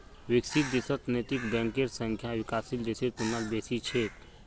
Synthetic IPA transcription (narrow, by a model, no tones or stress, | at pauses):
wɪksit̪̚d̪ɪsət̪neːt̪ikbɛ̃ːŋkeɾsə̃ŋkʰjaʋɪkaːsild̪eset̪̚punalbeːsit͡ʃʰeːt̪